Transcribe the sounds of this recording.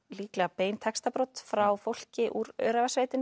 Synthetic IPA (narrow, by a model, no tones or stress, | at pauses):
liːklapeːjnt̪ʰɛkst̪apɾɔt̪fɾawfowl̥cɪʔuɾœ̰ɥɾavasveːjt̪ɪn